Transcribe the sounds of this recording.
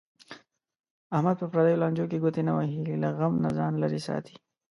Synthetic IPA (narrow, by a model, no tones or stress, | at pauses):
ahmad̪̚pəpɾɑd̪ajolɑnd͡ʒokeɡot̪enawaɦililaɣamnazɑnlaɾisɑ̰t̪ʰi̥